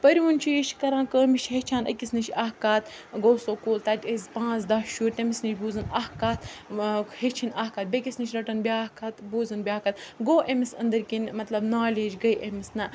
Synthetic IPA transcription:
pɐɾʲiʋunʲt͡ʃʰijiʃkɐɾãːkəːmiʃɦet͡ʃʰaːnɐ̰kʲisnit͡ʃaːhkaːt̪ | ɡoːsoːkuːlt̪aːt̪ʲɐzʲpãːzd̪aːʃuːɾt̪ɐmisnit͡ʃʰʲbuːzɐnahkaːt̪ | het͡ʃʰinaːhkaːt̪̚bʲekʲisnit͡ʃʲɾɐʈɐnbʲaːkaːt̪buːzɐnbʲaːkaːt̪̚ɡoːʔemisɐ̰nd̪ɐɾkinmɐt̪lɐbnaːlʲeːd͡ʒɡɐjʔemisnɐ

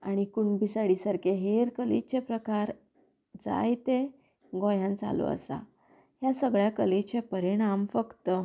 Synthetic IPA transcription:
aɽ̃ikuɳbisaɽisaɾkeɦeɾkəlḭt͡ɕepɾəkaɾ | d͡za̰jt̪e | ɡɔ̃jãnt͡sa̰lo̰ə̰sa̰ | ɦjasəɡɭjakəlet͡ɕepəɾiɽ̃amfəkt̪ə

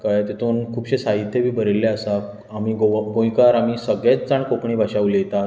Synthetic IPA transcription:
kajt̪et̪ʰuːnkʰuːpɕesaɦit̪ʰːjəbʱiːbʱəɾelːeəsa | amiːɡoɡõjkaɾam̤iːsəɡɭet͡sd͡zaɳkokɳiːbʱaɕaʋlejt̪a

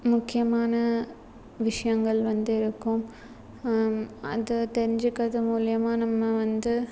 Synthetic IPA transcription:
mʊkːɪjɐmaːnɐ | ʋɪʂɐjɐŋɡɐɭʋɐnd̪ɪɾɯkːɯm | ɐ̰ðɯt̪ɛɾɪɲd͡ʒɯkːɐðɯmuːlɪjɐmaːnɐmːɐʋɐnd̪ɯ

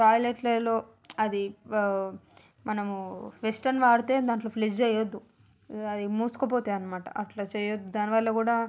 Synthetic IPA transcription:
ʈaːjlɐʈlɐlo̞ː | ɐd̪i | mɐnɐmuʋesʈɐnʋaːɾut̪e̞ːd̪aːɳʈloːpʰlid͡ʒt͡ʃɛːjod̪ːu | ɐd̪imuːsu̥kop̬oːt̪eːɐnːɐmaːʈɐ̰ʔɐʈlɐːt͡ʃɛːjod̪ːud̪aːniʋɐlːɐkuːɽaː

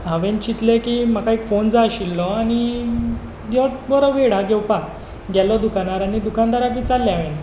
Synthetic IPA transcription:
aʋent͡ɕit̪lekiːmakaekfond͡zaɕilːɔaɽ̃i | jɔbɔɾɔʋeɽaɡɛwpa | ɡɛlɔd̪ukanaɾaɽ̃id̪ukand̪aɾakiːt͡salːjaʋen

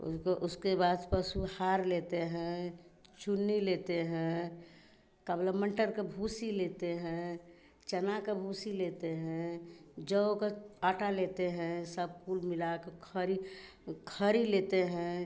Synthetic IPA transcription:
ʔuskebad̪pəsuhaɾlet̪eɦɛ̃t͡ʃunːilet̪eɦɛ̃ | kəbləməɳʈəɾkebʱusilet̪eɦɛ̃ | t͡ʃənakebʱusilet̪eɦɛ̃d͡ʒəokeaʈalet̪eɦɛ̃səb̚kulmilakekʰəɾi | kʰəɾilet̪eɦɛ̃

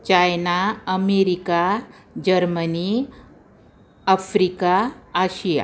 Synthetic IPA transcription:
t͡ɕajnaəmeɾika | d͡ʑəɾməni | afɾikaːɕija̰

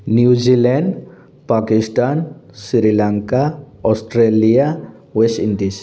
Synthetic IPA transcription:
njud͡ʒilɛɳɖ | pakɪsʈaːn | siɾilãŋka | ɔsʈɾelija | wesʈɪ̃ɳɖis

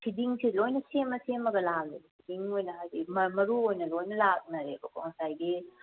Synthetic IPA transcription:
kʰidiŋsilojnɐsemːɐsemːɐɡɐlak̚ekʰidiŋojnɐadimɐmɐɾuojnɐlojnɐlak̚nɐɾebɐkoŋsajɡi

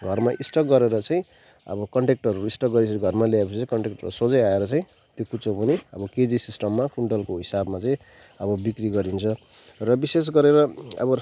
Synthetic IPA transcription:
ɡʱʌrmaʔisʈʌɡʌɾeɾʌt͡saĩ | ʌ̰bʌkʌɳʈek̚ʈʌruɾuisʈʌkɡʌɾisʰʌɡʱʌrmaljaepʰʌsit͡saĩkʌɳʈek̚ʈʌusod͡zʌjaeɾʌt͡saĩ | t̪jokut͡sopʌniʌbʌked͡zisisʈʌmːakuɳɖʌlkoɦisabmat͡saĩ | ʌbʌbikriɡʌɾint͡sʰʌ | rʌbises̬ɡʌɾeɾʌʌ̰bʌ

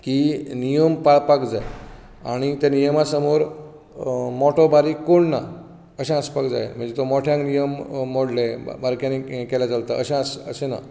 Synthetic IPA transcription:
kinijəmpaɭpakd͡zaj | a̰ɽ̃it̪enijəmasəmoɾ | mɔʈobaɾikoɳna | əɕãəspakd͡za̰jem̤əɳd͡zet̪omɔʈʰjãŋknijəmːoɽlebaɾkjanekɛlat͡salt̪aəɕãsəɕena̰

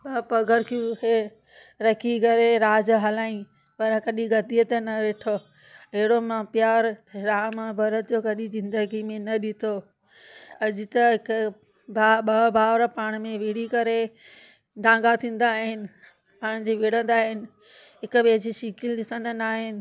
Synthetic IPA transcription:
bɐpɐɡʱəɾkʰijũɦeː | ɾɐkʰikɐɾeɾaːd͡ʑɦɐlaːĩ | pɐɾkɐɗiɡɐd̪iət̪ɐnɐʋeːʈʰo | ɐɦɪɽomãpjaːɾɾaːmbʱɐɾəd͡ʑoːkɐɗizɪ̃nd̪əɡimẽnɐɗɪt̪ʰo | ɐd͡ʑɪ̆t̪ɐɦɪk | bʱaɓɐbʱaːʋɾəpaːɽ̃mẽʋiɽ̤ikɐɾe | d̪ãːŋɡat̪ʰĩːn̆d̪aːɦɪnɪ̆ | paːɽ̃d͡ʑiʋiɽə̃nd̪aːɦɪnɪ̆ | ɦɪkʊbeːd͡ʑiʃikɪlɗɪsə̃nd̪ənaːɦɪnɪ̆

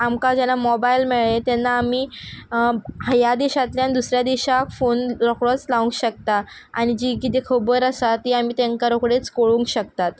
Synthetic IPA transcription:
amkad͡ʑɛnːamɔbajlmeɭet̪jɛnːaːmiː | hajad̪iɕat̪ljanid̪usɾjad̪iɕakfonɾɔkɭɔt͡slaũŋkɕək̚t̪a | a̰ɽ̃id͡ʑiːkit̪ʰekʰəbəɾəsat̪ːiamiːt̪eŋkaɾokɽet͡skoɭũŋkɕəkt̪at̪

